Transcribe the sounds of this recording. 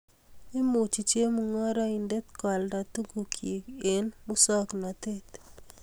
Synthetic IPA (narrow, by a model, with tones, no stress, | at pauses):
ɪ˦mu˨t͡ʃi˨t͡ʃje˦mu˦ŋɔ˦ɾa˦i˨nde˦t̪ka˨lda˨t̪u˦ɡu˨kʰje˨ɡe˨nmu˦sɔ˦kna˨t̪e˦t̪